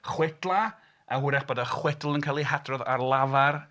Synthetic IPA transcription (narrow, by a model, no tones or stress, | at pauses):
χwɛdlˠa | ahuɾɛχb̥oːdaχwɛdl̩ˠənkʰalˠiɦadrɔðarlˠavar